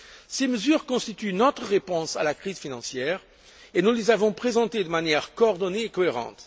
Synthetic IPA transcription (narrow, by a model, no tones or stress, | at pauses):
seməzyʁkɔ̃st̪it̪ynɔt̪χəʁepɔ̃sa̰lakχizfinɑ̃sjɛːʁ | enulezavɔ̃pχezɑ̃t̪ed̪əmanjɛʁkoɔʁd̪ɔneːkɔeʁɑ̰̃t̪